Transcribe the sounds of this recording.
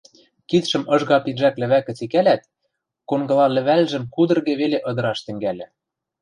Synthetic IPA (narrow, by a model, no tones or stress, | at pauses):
kit̪ʃɘ̆mɤ̆ʒɣɑpinʒæklɘ̆βækɘ̆t͡sikælæt̪̚ | koŋɡɤ̆lɑlɘ̆βælʒə̆mkud̪ɤ̆rɣĕβeleʔɤ̆d̪ɤ̆ɾɑʃt̪ɘ̆ŋɡælʲɘ̆